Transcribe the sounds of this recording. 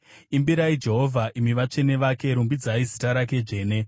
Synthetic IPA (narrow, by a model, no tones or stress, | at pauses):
imbiɾaid͡ʒe̞ɦo̞vʱaʔimiʋat͡ʂe̞ne̞ʋake̞ɾumbid͡zaizitaɾak̬e̞d͡ʒe̞ːne̞